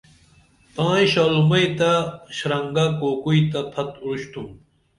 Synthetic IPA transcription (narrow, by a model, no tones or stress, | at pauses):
pãːjɕaːlumɐjt̪aɕɾɐŋɡakoːkuit̪ɐpʰɐt̪uɾuɕt̪ʰum